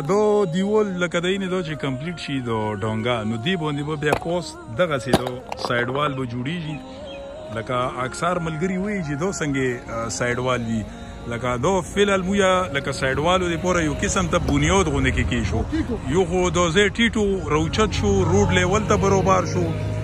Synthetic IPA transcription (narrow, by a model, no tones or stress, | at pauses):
d̪ɔd̪iwolːɐkad̪ained̪ɔt͡ʃekɐmpliʈʃid̪ɔɖɔːŋɡanod̪ebond̪ebabjapɔst̪d̪aɣased̪ɔsajɖwaːlbəd͡ʒuɽeʒi | ləkaːksaɾməlɡəɾiwəit͡ʃed̪ɔsəŋɡesaːjɖwald̪i | ləkad̪ɔfelalmujalakasaːjɖwaːlod̪epoɾajokɪsəmt̪abunjad̪ɣond̪ekekeʃojoxod̪ozeʈiʈoɾawt͡ʃat̪ʃoɾoɖlewəlt̪abaɾobaɾʃo